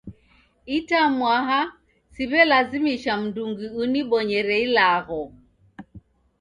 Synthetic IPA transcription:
itamwaɦa | siβɛlazimiʃam̩nduŋɡiuniɓɔɲɛɾɛilaɣɔ

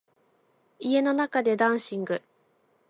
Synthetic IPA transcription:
ie̞no̞nakad̪e̞d̪ãɰ̃ɕĩŋɡɯ̟

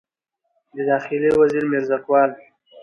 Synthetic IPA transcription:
d̪əd̪ɑxɪliwaziɾmeɾzakwɑːl

